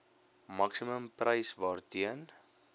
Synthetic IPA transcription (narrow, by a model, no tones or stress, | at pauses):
mɐksiməmprəjsvɑːrtiən